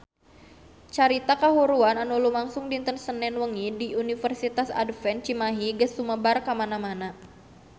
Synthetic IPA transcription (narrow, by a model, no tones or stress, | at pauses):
t͡ʃaɾit̪akaɦuɾuananulumaŋsʊŋdint̪ənsənɛnwəŋidiunifərsit̪asa̰dfɛnt͡ʃimaɦiɡəsuməbarkamanamana